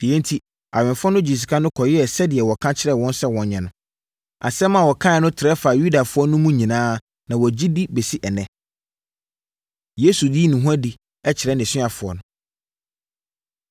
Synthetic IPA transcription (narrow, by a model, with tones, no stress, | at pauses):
d̥i˨ɛ̃˦n̩˦tʰi˦ | a̰˨ɥɪ̃˨nfʊ˦ɔ˦nʊ̃˦d͡ʑi˨s̬i˨kʰã˦nʊ̃˦kʰɔ˨jɪ˦ɛ˨sɛ˦dɪ˨ɛ˨wɔ˨kʰã˦t͡ɕʰɪ˦ɾɛ˦˨wɔ̃˦n˦sɛ˦wɔ̃˨ɲɛ̃˨nʊ̃˨ | a˨sɛ˦mã˨wɔ˨kʰã˦ɛ˨nʊ̃˦tʰɪ˨ɾɛ˦fa˨ju˦da˨fʊ˦ɔ˦nʊ̃˦mũ˦ɲĩ˨nãː˦ | nã˨wɔ˨d͡ʑi˦di˦be˨si˦ʔɛ˨nɛ̃˦ | je˦su˨diː˦nũ˨ɦũ˦ã˦di˨ | ɛ˦t͡ɕʰɪ˨ɾɛ˦nɪ̃˨sɪ˦a˨fʊ˨ɔ̰˨nʊ̃˦